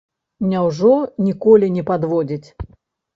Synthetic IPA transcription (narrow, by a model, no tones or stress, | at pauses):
nʲawʐɔnʲikɔlʲinʲɛpad̪vɔd͡zʲit͡sʲ